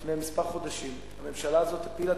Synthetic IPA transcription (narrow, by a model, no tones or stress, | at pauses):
meamispaʁχo̞d̪aʃim | hame̞mʃalaːzo̞t̪hapila